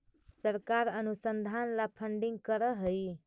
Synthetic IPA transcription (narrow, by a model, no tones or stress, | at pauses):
səɾkaɾənusənd̪ʱanlapʰəɳɖiŋɡkəɾəɦəj